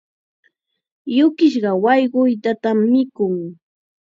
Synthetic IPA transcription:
jʊkɪʃɢɑwɑjɢʊjt̪at̪amːɪkʊŋ

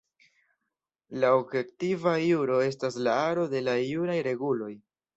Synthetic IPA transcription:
laobje̞ktivajuɾo̞e̞s̬tas̬laaɾo̞de̞lajuɾajɾe̞ɡulo̞j

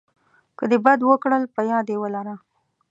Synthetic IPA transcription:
kəd̪ebad̪wəkɽəlpəjɑd̪jewəlaɾa

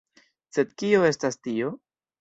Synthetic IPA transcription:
se̞d̪kio̞e̞stastio̞

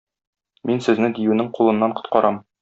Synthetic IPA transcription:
minsɘ̆znɘd̪ijʉnɘŋqulˠɤ̆nːɑɴqŏt̪̚qɒɾʔɑm

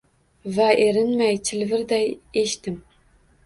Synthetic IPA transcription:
væʔeɾɪnmæjtʰɪlvɨɾd̪æjeʃt̪ɨm

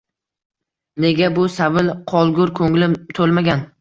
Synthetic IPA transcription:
ne̞ɡʲabʊsabɪlqʰɒlˠɡʊɾkʰɵŋlɪmt̪ʰolˠmaɡʲan

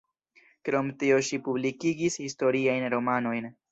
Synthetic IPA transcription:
kɾo̞mtio̞ʃipublikiɡishisto̞ɾiajnɾo̞mano̞jn

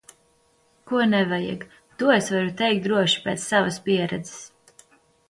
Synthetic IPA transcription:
kuɔnɛvajɛ̰ɡ | t̪uɔesvaɾut̪ɛjk̚t̪d̪ɾuɔʃi̥pɛːt̪sːavɐspiɛɾɛd̪zɛ̥s

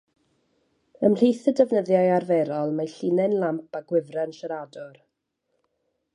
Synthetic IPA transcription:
əmr̥ejθədɛvnəðjajarvɛɾɔlˠmajɬinɛnlˠampʰaɡwɪvrɛnʃəɾadɔr

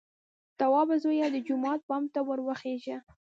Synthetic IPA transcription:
t̪awɑbazojad̪əd͡ʒʊmɑt̪̚pɑmt̪awəɾwəxeʒə

